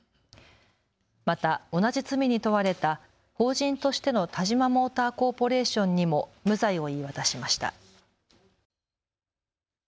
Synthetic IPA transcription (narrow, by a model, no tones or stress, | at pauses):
mat̪ao̞nad͡ʑit͡sɨmʲiɲ̟it̪o̞βaɾe̞t̪a | ho̞ːʑĩnt̪o̞ɕi̥t̪e̞no̞t̪ʰaʑimamo̞ːt̪aːko̞ːpo̞ɾe̞ːɕõ̞ɲ̟ːimo̞mɯ̟zaio̞iːβat̪aɕimaɕi̥t̪a̰